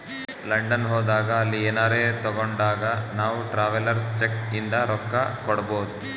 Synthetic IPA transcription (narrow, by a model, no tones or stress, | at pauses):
lɐɳɖɐnɦɔːd̪aːɡɐːlːiɛːnaːɾeːt̪ɔɡoɳɖaːɡɐnaːʋuʈɾaːʋɐlɐɾst͡ʃekind̪ɐɾɔkːɐkɔɽɐboːd̪u